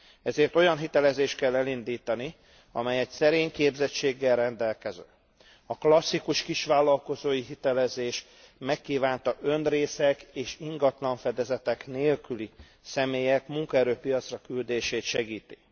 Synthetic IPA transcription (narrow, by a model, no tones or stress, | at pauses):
ɛzeːrt̪o̞jɒnɦit̪ɛlɛzeːʃt̪̚kɛlːɛlind̪iːt̪ɒni | ɒ̰mɛjɛcsɛɾeːɲkeːbzɛt͡ʃːeːɡːɛlrɛnd̪ɛlkɛzø̰ː | ɒklɒsːikuʃkiʃʋaːlːɒlko̞zoːjiɦit̪ɛlɛzeːʃ | mɛkːiːvaːnt̪ɒʔø̞nreːsɛkeːʃiŋɡɒt̪lɒɱfɛd̪ɛzɛt̪ɛkneːlkyli | sɛmeːjɛkmuŋkɒɛɾøːpijɒt̪srɒkyld̪eːʃeːt̪ʃɛɡiːt̪i̥